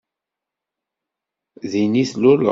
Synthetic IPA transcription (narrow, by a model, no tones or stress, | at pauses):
ðiniθlʊlə̰